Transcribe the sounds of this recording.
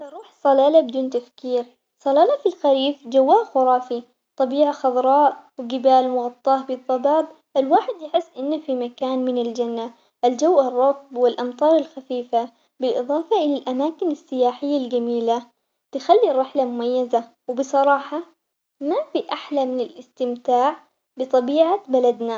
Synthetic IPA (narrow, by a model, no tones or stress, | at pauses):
tɑɾˤuːħsˤɑlaːlabɪd̪uːnt̪afkiːɾ | sˤɑlaːlafilxaɾiːfd͡ʒawːaːʔxʊɾˤɑːfi | t̪ˤɑbiːʕaxɑðˤɾˤɑːʔwɪɡɪbaːlmʊɣɑt̪ˤːɑːʔbɨðˤːɑbɑːb̚ | ʔalwaːħɪd̪jɪħɪsːʔɪnːafimakaːnmɪnɪld͡ʒanːa | ʔald͡ʒawːʔɑrˤːɑfbwɪlʔɑmt̪ˤɑːɾˤɪlxafiːfa | bɪlʔɨðˤɑːfɑʔɪlalʔamaːkɪnasːɪjaːħɪjːald͡ʒamiːla | t̪ɪxalːiɾˤːɪħlamʊmajːaza | wɪbɨsˤɑɾˤɑːħɑ | mafiʔaħlamɪnɪlʔɪst̪ɪmt̪aːʕ | bɪt̪ˤɑbiːʕabalad̪na